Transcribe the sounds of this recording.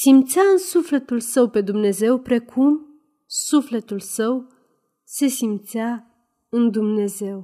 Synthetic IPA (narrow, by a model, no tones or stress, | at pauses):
simt̪sʲaɨnsufle̞t̪ulsəwpe̞d̪umne̞ze̞wpɾe̞kʰum | sufle̞t̪ulsəw | se̞simt̪sʲa | ɨnd̪umne̞ze̞w